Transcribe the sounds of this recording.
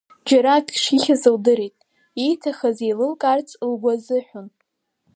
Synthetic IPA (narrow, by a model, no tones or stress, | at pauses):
d͡ʒaɾaɡʼʂiχʲazɨwdɨɾejtʼ | ijtʰaχazejlɨlkʼart͡sʼlɡʷazɨħʷᶣʊn